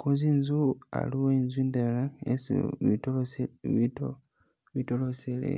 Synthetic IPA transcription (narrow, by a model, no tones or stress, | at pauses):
kʰuzinzua̰liwoinzuiːndalaesḭβi | βitoloselḛ